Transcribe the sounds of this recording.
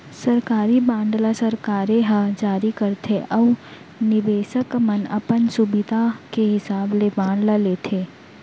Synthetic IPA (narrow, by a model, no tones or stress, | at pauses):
sɐɾkaːɾibãːɳɖlasɐɾkaːɾẽɦad͡ʒaːɾikɐɾt̪ʰeʔɐʋ | nɪʋeːʃəkmɐnɐ̰pənsubɪd̪ʱakeɦɪsaːblebãːɳɖlaleːt̪ʰeː